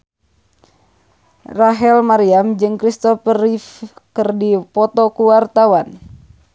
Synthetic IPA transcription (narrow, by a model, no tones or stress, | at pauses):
raɦɛlmaɾiamd͡ʒɨŋkɾist̪ɔfəɾifkɨrdipɔt̪ɔkuwart̪awan